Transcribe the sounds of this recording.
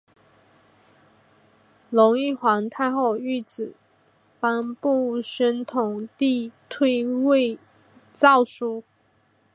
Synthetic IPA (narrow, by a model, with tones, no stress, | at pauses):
lʊ˧˥ŋi˥˩xwa˧˥ŋt̪ʰa˥˧ɪxo˥˧ʊy˥˩t͡sɹ̩˨˩ | pa˥npu˥˩ɕə˥nt̪ʰʊ˨˩ŋt̪i˥˧t̪ʰwe˥ɪwe˥˧ɪ | t͡sɑ˥˩ʊʂu˥